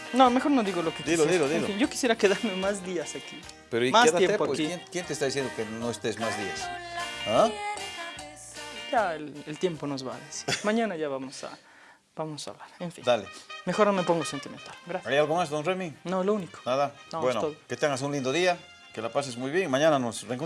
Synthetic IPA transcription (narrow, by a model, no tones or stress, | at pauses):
nome̞xo̞ɾnoðiɣolokekd̪oðioðeĩoinɟ͡ʝo̞ki̥sjeɾakeðaɾmemazðiasaki | peɾoimasetðaeepoaekijenkjent̪est̪aðis̬jend̪okenoest̪ezmazðiasa | jaelelt̪je̞mpo̞no̞zβa̰ðesi̥mãɲãnaʝaβamosa̰ | b̥amosa̰βlaɾeɱfḭ̃d̪alemexo̞ɾnomepo̞ŋɡosent̪iment̪alɡɾasjajalɣomasd̪onreminolouniko̥naðanobwenot̪oðoket̪eaŋas̬eunlind̪oðia | kelapas̬esmujβjeŋmãɲananosreŋko